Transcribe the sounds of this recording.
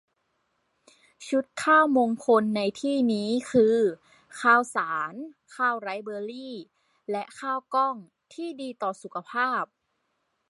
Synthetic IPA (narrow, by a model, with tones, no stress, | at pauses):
t͡ɕʰu˦˥t̪̚kʰaː˥˩wmoː˧ŋkʰo˧nːa˧jt̪ʰiː˥˩niː˦˥kʰɯː˧ | kʰaː˥˩wsaː˩˦nkʰaː˥˩wɾa˧˥jbɤː˧liː˥˩ | lɛ˦˥ʔkʰaː˥˩wkɔ˥˩ŋ | t̪ʰiː˥˩diː˧t̪ɔː˨˩su˨˩˦kʰa˧pʰaː˥˩p̚